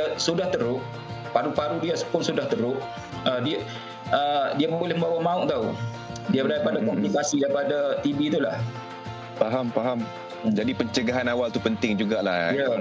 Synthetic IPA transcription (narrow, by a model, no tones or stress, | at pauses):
asudaht̪əɾʊʔ | paɾupaɾudiasə̥pʊnsudaht̪əɾʊʔ | ədia | ədiabbolɛhməmbawamãʊʔt̪au | diabəɾajaʔ̚padakɔmplikasidajpadat̪ibit̪ula̰h | faɦampaɦam | d͡ʒadipəɲt͡ʃəɡaɦanawalt̪upənt̪ɪŋd͡ʒuɡala̰ha